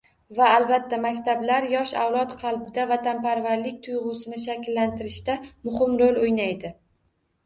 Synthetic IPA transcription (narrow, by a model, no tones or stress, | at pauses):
vaːlbat̪ʰːamakʲt̪ʰablaɾjɒʃa̰wlˠɒt̪qʰɑlˠbɪd̪avat̪anpaɾvaɾlɪkʲt̪ʰʊjʁʊsɪnɪʃakʲlːant̪ʰɪɾɪʃt̪amʊχɪmɾolʲojnajd̪ɪ